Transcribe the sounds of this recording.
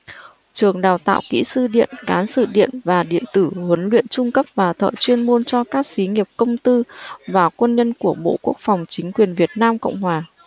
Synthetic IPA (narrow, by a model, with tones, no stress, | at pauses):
t͡ɕɨ˨˩əŋɗaː˨˩wt̪a̰ː˧˨wkḭ˧˥sɨ˧ɗḭ˧˨ənkaː˨˦nsɨ̰˧˨ɗḭ˧˨ənvaː˨˩ɗḭ˧˨ənt̪ɨ˧˩hwə˨˦nlwḭ˧˨ənt͡ɕʊ˧ŋ͡mkə˦˥p̚vaː˨˩t̪ʰə̰ː˧˨t͡ɕwi˧ənmo˧nt͡ɕɔ˧kaː˦˥k̚si˨˦ŋi˨˩əp̚kə˧wŋ͡mt̪ɨ˧vaː˨˩kwə˧nɲə˧nku˧˩əɓo̰˧˨ku˦˥ək̚fa˨˩wŋ͡mt͡ɕï˨˦ŋ̟kwi˨˩ənvi˨˩ət̚naː˧mkə̰˧˨wŋ͡mhwaː˨˩